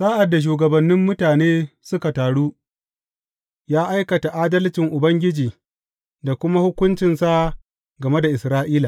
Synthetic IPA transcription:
saː˦ʔa˨dːa˨ʃ̬uː˨ɡɐ˨bɐ˨nːɪ˦mːʊ˦taː˨neː˦sʊ˦ka˨taː˨ɽuː˦ | jaː˦ʔa˦jkɐ˨ta˨ʔaː˦dɐ˦lt͡ʃɪ˨ŋʔʊ˨bɐ˦ŋɡʲɪ˦d͡ʒiː˨ | da˨kʷʊ˦ma˦hʊ˦kʷʊ˦nt͡ʃɪ˨nsa˦ | ɡɐ˨me˦da˨ʔɪ˨sɾaː˦ʔiː˦laː˨

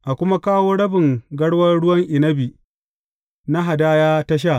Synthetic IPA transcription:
ʔa˨kʷʊ˦ma˦kaː˦woː˦ɽɐ˦bɪ˨ŋɡɐ˦ɽwɐ˦ɽʊ˦wɐ˦ŋʔɪ˨nɐ˦bi˨ | na˦ɦa˨daː˦jaː˦ta˦ʃ̬aː˦˨

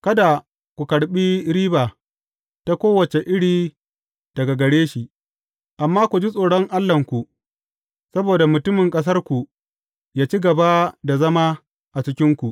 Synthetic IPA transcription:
kɐ˦da˨ | kʷu˨kɐ˨ɽɓiː˦ɾiː˦baː˨ | ta˦kʷoː˦wɐ˨t͡ʃe˨ʔɪ˦ɽiː˨ | d̥ɐ˨ɡa˨ɡɐ˨ɽeː˦ʃi˨ | ʔa˨mːaː˦kʷu˨d͡ʒi˦sʼoː˨ɽɔ˦ŋʔa˦lːɐ˨ŋkʷu˨ | sɐ˦boː˨da˨mʊ˨tʊ˦mɪ˨ŋkʼɐ˦s̬ɐ˦rkʷu˨ | jaː˦t͡ʃi˦ɡɐ˨ba˦da˨zɐ˦maː˦ | ʔa˨t͡ʃɪ˦kʲɪ˦ŋkʷu˨ʔ

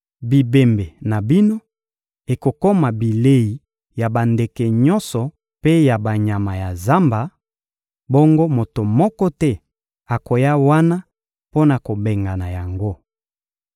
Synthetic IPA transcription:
bi˨be˨mbe˨na˨bi˦no˦ | e˨ko˨ko˦ma˨bi˨le˦i˨ | ja˨ba˨nde˨ke˨ɲɔ˦nsɔ˨ | pe˦ja˨ba˨ɲa˨ma˨ja˨za˦mba˨ | bo˦ŋɡo˦mo˨to˨mɔ˦kɔ˦tɛ˦ | a˨ko˨ja˦wa˦na˦ | po˦na˨ko˨be˨ŋɡa˨na˨ja˨ŋɡo˦

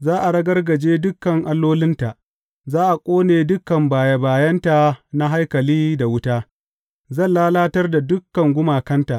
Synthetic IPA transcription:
zaː˦ʔa˨ɽɐ˦ɡɐ˦rɡɐ˨d͡ʒeː˦dʊ˦kːɐ˨ŋʔa˦lːoː˦lɪ˦nta˨ʔ | zaː˦ʔa˨kʷʼoː˦neː˨dʊ˦kːɐ˨mbaː˨ja˦baː˨jɐ˦nta˨na˦ɦa˦jkɐ˨liː˦da˨wʊ˦taː˦ | zɐ˦˨nlaː˦laː˦tɐ˦rda˨dʊ˦kːɐ˨ŋɡʷʊ˦maː˨kɐ˦nta˨ʔ

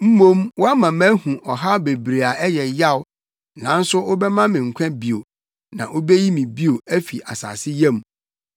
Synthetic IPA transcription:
m̩˦mõ˦mwɔ˦a˦mã˨mæ˦hũ˨ʔɔ˨ɦa˦be˨bɾe˨a˨ʔɛ˦jɛ˨ja˦˨w | nã˨n̩˦sʊ˦ʔo˦bɛ˦mã˦mɪ̃˨ŋ̩˨kʷʰɛ̃˦bi˨o˨ | nã̰˨ʔo˦be˦ji˦mĩ˨bi˦o˨æ˦fi˨ʔa̰˨sa̰ː˨sɪ˦jɛ̃˦˨m

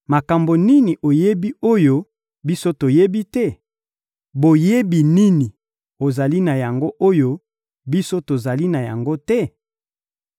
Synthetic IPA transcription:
ma˨ka˨mbo˨ni˦ni˨ʔo˨je˦bi˦o˦jo˦ | bi˦so˦to˨je˦bi˦tɛ˦ | bo˨je˦bi˨ni˦ni˨ | o˨za˨li˦na˨ja˨ŋɡo˦ʔo˦jo˦ | bi˦so˦to˨za˨li˦na˨ja̰˨ŋɡo˦tɛ˦

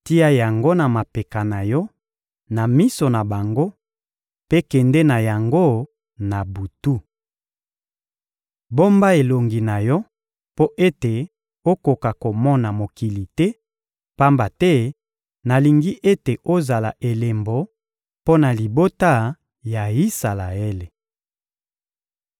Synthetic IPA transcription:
ti˦a˦ja˨ŋɡo˦na˨ma˨pe˨ka˨na˨jɔ˦ | na˨mi˦so˨na˨ba˨ŋɡo˦ | pe˦kɛ˨ndɛ˦na˨ja˨ŋɡo˦ | na˨bu˨tu˦ | bo˦mba˦e˨lo˨ŋɡi˨na˨jɔ˦ | po˦ʔe˦te˨ | o˦ko˨ka˨ko˨mɔ˦na˨mo˨ki˨li˨tɛ˦ | pa˦mba˨tɛ˦ | na˨li˨ŋɡi˦ʔe˦te˨ʔo˦za˨la̰˨ʔe˨le˨mbo˨ | po˦na˨li˨bo˦ta˦ | ja˨i˦sa˨la˨e˦le˨

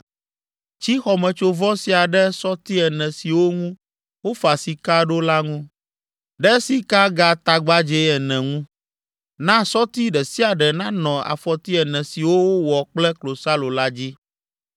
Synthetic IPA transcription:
t͡ʃi˦xɔ˨mɛ̃˨t͡ʃo˦vɔ˦si˨a˨ɖɛ˦sɔ˦t̪i˦ɛ˨nɛ̃˨si˨wo˦ŋũ˦ | wo˦fa˨si˨ka˦ɖo˦la˦ŋũ˦ | ɖɛ˦si˦ka˦ɡa˦t̪a˨ɡ͡ba˦d͡ʒɛ˦ɛ˨nɛ̃˨ŋũ˦ | nã˦sɔ˦t̪i˦ɖɛ˨si˦a˨ɖɛ˨nã˦nɔ̃˨a̰˨fɔ˨t̪i˦ɛ˨nɛ̃˨si˨wo˦wo˦wɔ˨k͡plɛ˦klo˨sa˦lo˨la˦d͡ʑi˦

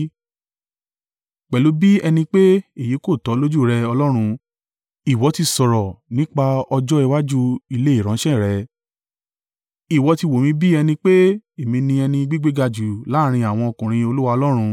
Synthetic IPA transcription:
k͡pɛ˨lu˨˦bi˦ɛ˧nĩ˧k͡pe˦e˦˨ji˨˦ko˦˨tɔ˨˦lo˦d͡ʒu˦˨ɾɛ˧ɔ˧lɔ˦ɾ̃ũ˧ | i˨wɔ˨˧˦ti˧sɔ˨ɾɔ˨nĩ˦k͡pa˧ɔ˧d͡ʒɔ˦i˧wa˦d͡ʒu˦i˧le˦i˦˨ɾ̃ã˨˦ʃɛ̃˦˨ɾɛ˨˧ | i˨wɔ˨˧ti˧wo˨mĩ˧bi˦ɛ˧nĩ˧k͡pe˦e˨mĩ˧nĩ˧ɛ˧nĩ˧ɡ͡bi˦ɡ͡be˦ɡa˧d͡ʒu˨la˨˦ɾ̃ĩ˧a˨w̃ɔ̃˧ɔ˧kũ˨ɾ̃ĩ˧o˧lu˦wa˧ɔ˧lɔ˦ɾ̃ũ˧

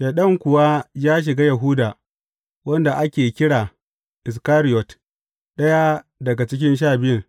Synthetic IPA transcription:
ʃe˨ɗɐ˦ŋkʷʊ˨wa˦jaː˦ʃ̬ɪ˨ɡaː˦ja˨ɦʊː˦daː˨ | wɐ˦nda˨ʔa˦kʲeː˨kʲɪ˦ɽaː˨ | ʔɪ˨s̬kaː˦ɾɪ˦jɔ˨t | ɗɐ˦ja˦dɐ˨ɡa˨t͡ʃɪ˦k̬ʲɪ˦nʃ̬aː˦˨bɪ˦jɐ˨ŋ

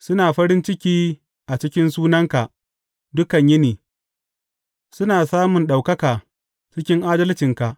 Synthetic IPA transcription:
sʊ˦naː˨ɸɐ˦ɾɪ˦nt͡ʃɪ˦kʲiː˦ | ʔa˨t͡ʃɪ˦kʲɪ˦nsuː˦nɐ˦ŋka˨ʔ | dʊ˦kɐ˨ɲjɪ˦niː˨ | sʊ˦naː˨saː˦mʊ˨nɗa˨wkɐ˦kaː˨ | t͡ʃɪ˦kʲɪ˦ŋʔaː˦dɐ˦lt͡ʃɪ˨ŋka˨ʔ

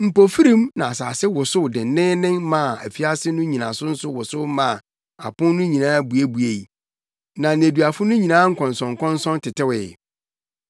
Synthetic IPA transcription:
m̩˨po˨fi˦ɾĩ˦mnã˨a˨saː˨sɪ˦wʊ˨sʊ˦wdɪ˨n˨nɪ̃˦nɪ̃˦nmã˦˨æ˨fi˦a˦sɪ˦nʊ̃˦ɲĩ˨nã̰˨sʊ˦n̩˦sʊ˦wʊ˨sʊ˦mã˨ | a̰˨pʊ̃˦n˦nʊ̃˦ɲĩ˨nãː˦bu˨e˦bu˨e˨i˨ | nã˨n˨e˨du˨a˨fʊ˦nʊ̃˦ɲi˨nãː˦ŋ̩˦kʰɔ̃˨nsɔ̃˨ŋ˨kʰɔ̃˦nsɔ̃˦ntʰɪ˨tɪ˦wɪ˨

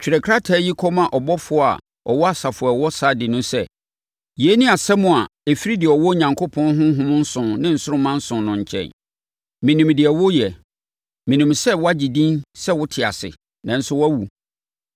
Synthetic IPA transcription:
t͡ɕᶣi˨ɾɛ˨kʰɾa˦tʰaː˨˦ji˦kʰɔ˦mã˨ʔɔ˨bɔ˦fʊ˨˦ɔ˦a̰˨ | ɔ˨wɔ˦a˦sa˨fʊ˨ɛ˨wɔ˦sa˦dɪ˨nʊ̃˦sɛ˦ | je˨˦nɪ̃˦a˨sɛ˦mʊ̃˨a˨e˨fi˦ɾi˦dɪ˨ɛ˨ɔ˨wɔ˦ɲã˨ŋkʰo˦pʰɔ̃˦nɦʊ̃˦ɦʊ̃˦mʊ̃˦n̩˦sʊ̃˨nnɪ̃˦n̩˨sʊ˦ʊ˦mã˦n̩˦sʊ̃˨nnʊ̃˨ɲ˨t͡ɕʰɛ̰̃˨n | mĩ˨nĩ˨mdɪ˨ɛ˨wɔ˦jɛ˨ | mĩ˨nĩ˨msɛ˦wʊ˦a˦d͡ʑi˨dĩ˦nsɛ˦wʊ˦tʰɪ˨a̰˨sɪ̰˨ | nã˨n̩˦sʊ˦wæ˦wu˨

